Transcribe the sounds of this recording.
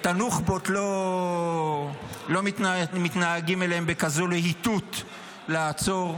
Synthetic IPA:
t̪anuχbot̪lo̞ | lo̞mit̪nmit̪naːɡimeleembekazolehit̪ut̪ | laːt͡so̞ʁ

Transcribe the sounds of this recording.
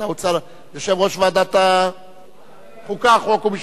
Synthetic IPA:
aut͡saɾ | joʃevʁoʃvad̪at̪a | χukaχokumiʃ

